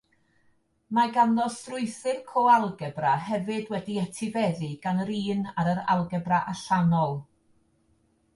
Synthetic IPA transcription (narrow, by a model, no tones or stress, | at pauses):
maɡanlɔstrʊɨθɨrkʰɔalˠɡɛbrahɛvɨdwɛdiɛtʰɪvɛðɨɡ̥anɾiːnaɾəɾa̰lˠɡɛbraʔaɬanɔlˠ